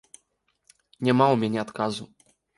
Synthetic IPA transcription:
ɲɛmawɔmʲjɛɲɛɔt̪kazu

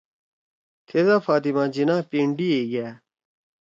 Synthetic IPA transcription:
t̪ʰeːzaːfaːt̪̬ɪmãːd͡ʒɪnãːpẽːɳɖiːeːɡɪjaː

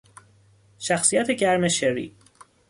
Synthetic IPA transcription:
ʃæxsijæt̪ʰe̞ɟæɾmeʃeɾḭ

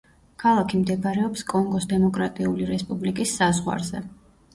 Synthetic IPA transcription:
kʰalˠakʰimd̪ɛɡɾɛɔpskʼɔŋɡɔsd̪ɛmɔkʼɾat̪ʼiuliɾɛspʼublikʼisːazʁwa̰ɾzɛ

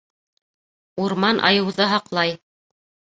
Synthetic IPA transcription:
uɾmɑnʔɑ̰jɤ̆wðɤɦɑqlˠɑj

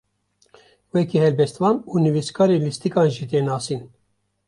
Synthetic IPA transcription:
wɛkihɛlbɛst̪vɑːnuːnɨviskʰɑːɾeːlist̪ikɑːnʒit̪eːnɑːsiːn

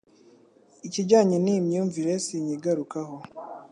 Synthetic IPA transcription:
iciɟaɲinimjuːɱviɾesiɲiɡaɾukaho

